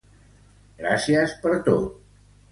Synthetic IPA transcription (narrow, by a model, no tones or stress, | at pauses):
ɡɾasiəspəɾt̪ot̪̚